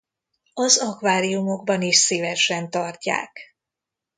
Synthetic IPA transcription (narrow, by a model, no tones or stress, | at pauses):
ɒzɒkvaːɾijumo̞ɡ̚bɒniʃsivɛʃɛnt̪ɒrca̰ːk